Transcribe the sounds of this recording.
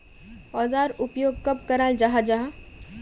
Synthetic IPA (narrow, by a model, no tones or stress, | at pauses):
ɔːzaːɾʊpjoːɡ̚kɐb̚kɐɾaːld͡ʒaɦad͡ʒaɦa